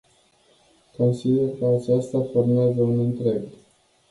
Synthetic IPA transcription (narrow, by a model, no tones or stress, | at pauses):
ko̞nsid̪erkəat͡ʃast̪aformeazəunɨnt̪ɾe̞ɡ